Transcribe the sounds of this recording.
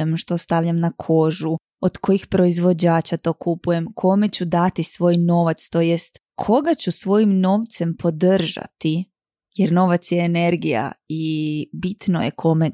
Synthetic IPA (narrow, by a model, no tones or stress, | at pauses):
emʃt̪o̞st̪aʋʎamnakʰo̞ʒu | od̪ko̞jixpɾo̞izʋo̞d͡ʑaːt͡ɕat̪o̞kupuje̞mkʰo̞me̞t͡ɕud̪at̪isʋo̞ːjno̞ːʋat̪st̪o̞je̞st̪ | kʰo̞ɡat͡ɕusʋo̞jimno̞ʋt̪se̞mpʰo̞d̪r̩ʒa̰t̪i | jeɾno̞ʋat̪sjeːne̞ɾɡija̰ibit̪no̞̰jekʰo̞me̞